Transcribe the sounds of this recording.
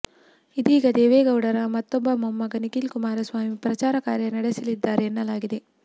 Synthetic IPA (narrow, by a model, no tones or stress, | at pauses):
id̪iːɡɐd̪eːʋeːɡɐwɽɐɾɐmɐt̪ːɔbːɐmɐmːɐɡɐnikilkumaːɾɐsʋaːmipɾɐt͡ʃaːɾɐkaːɾjɐnɐɽesɐlid̪ːaːɾeːnːɐlaːɡid̪e̞